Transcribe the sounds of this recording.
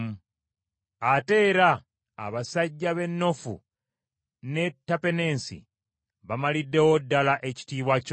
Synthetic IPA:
m | ate̞ːɾa̰ː | βasaɟːaβe̞nːo̞fṵ | ne̞tːape̞ne̞ːnsḭ | βamalidːe̞wodːalaʔe̞ci̥tiːβwac

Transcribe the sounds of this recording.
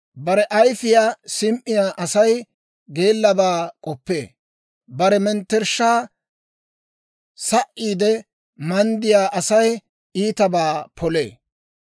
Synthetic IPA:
bɐɾɛʔɐjfɪjaːsɪmʔɪjaːʔɐsɐj | ɡe̞ːlːɐbaːkʼɔpːḛː | bɐɾɛmɛnt̪ːɛɾʃaː | sɐʔːiːd̪ɛ | mɐnd̪ɪjaːʔɐsɐj | iːt̪ɐbaːpʰɔle̞̰ː

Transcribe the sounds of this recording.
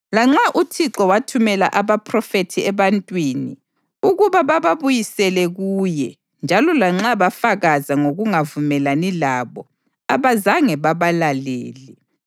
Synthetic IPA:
laŋ͡ǁaʔutʰiǁɔwatʰumɛlaʔaβapʰʼrɔfetʰiɛβantʼwinḭ | uɣuβaβaβaβujisɛlɛɣuːjɛ | nd͡ʒʱalɔlaŋ͡ǁaβafaɣazaŋoɣuŋavumɛlanilaβɔ | aβazaŋɛβaβalalḛːli

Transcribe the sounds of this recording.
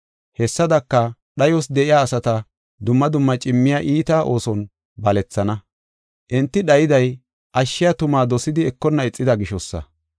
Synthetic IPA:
hɛsːɐd̪ɐkːɐ | ɗɐjɔsd̪ɛʔɪjaːsɐt̪ɐ | d̪ʊmːɐd̪ʊmːɐt͡ʃʼɪmːɪjaːʔiːt̪aːʔo̞ːsɔn | bɐlɛt͡sːɐnɐ | ʔɪnt̪ːɪɗɐjɪd̪ɐj | ʔɐʃːɪjɐt̪ʊmaːd̪ɔsɪd̪ɪɛkːɔnːɐɪt͡sʼːɪd̪ɐɡɪʃɔsːɐ̰

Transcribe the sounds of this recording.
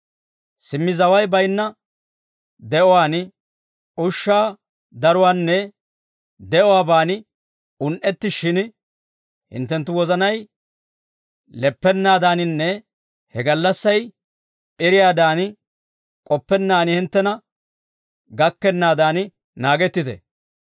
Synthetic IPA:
sɪmːɪzɐwɐjbɐjnːɐ | d̪ɛʔɔwaːn | ʊʃːaː | d̪ɐɾʊwaːnːɛ | d̪ɛʔɔwaːbaːnɪ | ʊnʔɛt̪ːɪʃɪn | hɪ̰nt̪ːɛnt̪ːʊwɔzɐnɐj | lɛpːɛnːaːd̪aːnɪnːɛ | hɛɡɐlːɐsːɐj | pʼɪɾɪjaːd̪aːn | kʼɔpːɛnːaːnɪhɪnt̪ːɛnɐ | ɡɐkːɛnːaːd̪aːn | naːɡɛt̪ːɪt̪ɛ̰

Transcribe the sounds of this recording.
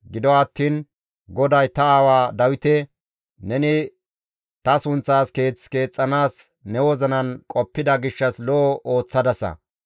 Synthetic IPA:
ɡɪd̪ɔɐt̪ːiːn | ɡɔd̪ɐjt̪ɐaːwaːd̪ɐwɪt̪ɛ | nɛnɪ | t̪ɐsʊnt͡sːaːske̞ːt͡sːke̞ːt͡sʼːɐnaːs | nɛwɔzɐnɐnkʼɔpːɪd̪ɐɡɪʃːɐslɔʔɔʔoːt͡sːɐd̪ɐsɐ̰

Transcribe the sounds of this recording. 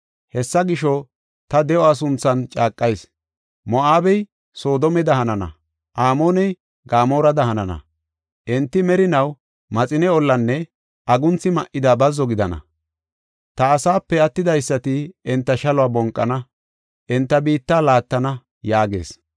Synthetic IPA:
hɛsːɐɡɪʃɔ | t̪ɐd̪ɛɔɐs̬ʊnt͡sːɐnt͡ʃʼaːkʼːɐjs | mɔʔaːbɛj | soːd̪ɔmɛd̪ɐhɐnɐnɐ̰ | ʔaːmoːnɛj | ɡaːmo̞ːɾɐd̪ɐɦɐnɐnɐ̰ | ʔɛnt̪ːɪmɛɾɪnɐw | mɐt͡sʼɪnɛɔlːɐnːɛ | ɐɡʊnt͡sːɪmɐʔɪd̪abɐzːɔɡɪd̪ɐnɐ̰ | t̪ɐːsaːpːɛɐt̪ːɪd̪ɐjsːɐt̪ɪɛnt̪ːɐʃɐlɔaːbɔŋkʼːɐnɐ | ʔɛnt̪ːɐbiːt̪ːaːlaːt̪ːɐnɐ | jaːɡe̞̰ːs

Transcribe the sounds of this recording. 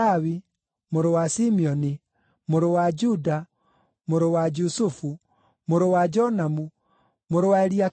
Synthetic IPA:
awi | moɾowasimiɔni | moɾowad͡ʒuda | moɾowad͡ʒusufu | moɾowad͡ʒɔnamu | moɾowaeɾia

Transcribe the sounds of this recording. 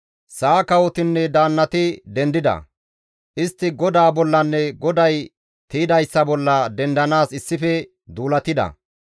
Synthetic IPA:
saːkɐwɔt̪ɪnːɛd̪aːnːɐt̪ɪd̪ɛnd̪ɪd̪ɐ̰ | ʔɪst̪ːɪɡɔd̪aːbɔlːɐnːɛɡɔd̪ɐj | t̪iːd̪ɐjsːɐbɔlːɐd̪ɛnd̪ɐnaːsɪsːɪfɛ | d̪uːlɐt̪ɪd̪ɐ̰

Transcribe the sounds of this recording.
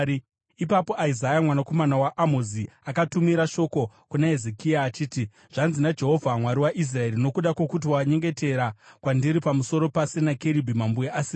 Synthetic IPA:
ipapo̞ʔaizajamwanako̞manawaʔamoziakatumiɾaʃo̞ko̞kunae̞zekiaːt͡ʃiːti | ʐ̥anzinad͡ʒe̞ɦo̞vʱamwaɾiwaʔis̬rae̞rino̞kuɗakwokut̬iwaɲe̞ŋɡe̞te̞ɾakwandiɾipamuso̞ɾo̞pase̞nakeɾibʱimambujeʔasi

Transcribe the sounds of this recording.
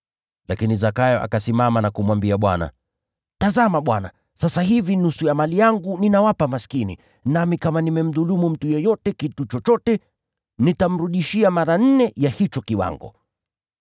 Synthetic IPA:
lakinizakajɔʔa̰kasimamanakumwambiaɓwa̰na̰ | tazamaɓwana̰ | sasaɦivinusujamalijaŋɡuninawapamaskinḭ | namikamanimɛm̩ðulumum̩tujɛjɔtɛkitut͡ʃɔt͡ʃɔtɛ | nitam̩ɾuɗiʃiamaɾan̩nɛjahit͡ʃɔkiwa̰ŋɡɔ̰

